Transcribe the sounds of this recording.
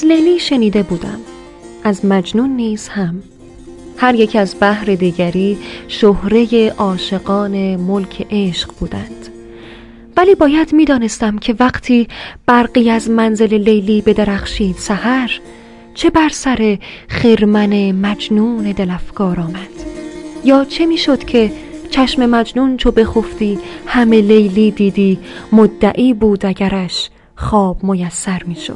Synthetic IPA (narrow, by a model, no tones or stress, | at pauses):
æzle̞jliːʃe̞niːd̪e̞buːd̪æ̰m | ʔæzmæd͡ʒnuːnːiːz̥hæm | hæɾje̞cʰæzbæhɾe̞d̪iːɟæɾiːʃohɾe̞je̞ʔɒːʃe̞ɡɒːne̞molcʰe̞ʔeʃɢ̥buːd̪ænd̪̥ | væliːbɒːjæd̪miːd̪ɒːne̞st̪æmcʰe̞væɢt̪ʰiːb̥æɾɢiːæzmænze̞le̞le̞jliːbe̞d̪eɾæxʃiːd̪̥sæhæɾ | t͡ʃʰe̞bæɾsæɾe̞χeɾmænemæd͡ʒnuːne̞d̪elæfɡ̥ɒːɾɒːmæd̪̥jɒːt͡ʃʰe̞miːʃo̞d̪cʰe̞ | t͡ʃʰæʃme̞mæd͡ʒnunt͡ʃʰo̞be̞xoft̪iːhæme̞lejliːd̪iːd̪iːmod̪ːæʔiːbuːd̪æɟæɾæʃ | χɒːb̥mojæsːæɾmiːʃo̰d̪̥